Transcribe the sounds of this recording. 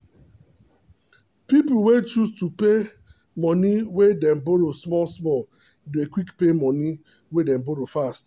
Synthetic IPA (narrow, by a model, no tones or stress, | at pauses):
pip̩wet͡ʃustupe | mɔniwedɛ̃mboɾosmɔlsmɔl | duekwikpemɔni | wedɛ̃mboɾofast